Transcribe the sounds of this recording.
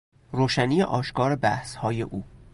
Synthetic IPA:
roːʃæniːeʔɒːʃkɒːɾebæhshɒːjḛʔuː

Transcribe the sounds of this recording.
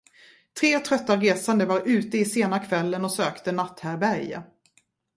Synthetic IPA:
t̪ʰɾeːt̪ʰɾœt̪ːaɾeːsand̪əvaɾʉ̟ːt̪əɪseːnakʰvɛlːənɔsøːkt̪ənat̪ːhæɾbæɾja̰

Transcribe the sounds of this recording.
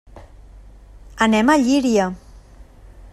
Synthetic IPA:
ənɛmaʎiɾiə

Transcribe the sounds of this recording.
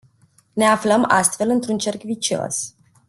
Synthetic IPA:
neafləma̰st̪fe̞lɨnt̪ɾunt͡ʃe̞rkvit͡ʃo̞̰s

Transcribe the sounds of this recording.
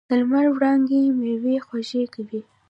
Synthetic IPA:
əlmaɾwɽɑŋɡemewexwaʒekawi

